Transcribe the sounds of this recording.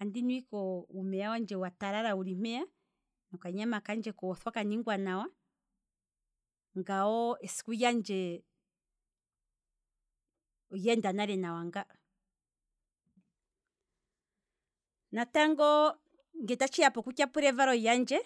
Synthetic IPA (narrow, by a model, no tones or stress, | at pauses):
andinwikɔumɛawand͡ʒɛwataɾaɾauɾim̥ɛa | nɔkaɲamakand͡ʒɛkɔwɔθwakaniŋɡwanawa | ŋɡaɔɛsi̥kujand͡ʒɛ | jɛndanaɾɛnawaŋɡaɔ | nataŋɡɔ | ŋɡɛtat͡ʃiapɔkukjapuɾɛvaɾɔjand͡ʒɛ